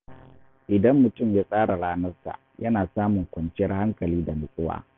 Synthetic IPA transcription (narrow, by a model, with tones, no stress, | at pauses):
ʔɪ˨dɐ˦mːʊ˨tʊ˦˨mjaː˦sʼaː˦ɽa˨ɽaː˦nɐ˦rsa̰˨ | jɐ˦naː˨saː˦mʊ˨ŋkʷɐ˨nt͡ʃɪ˦jɐ˦rha˦ŋkɐ˨liː˦da˨nʊ˨kʼʊ˦wa̰ː˦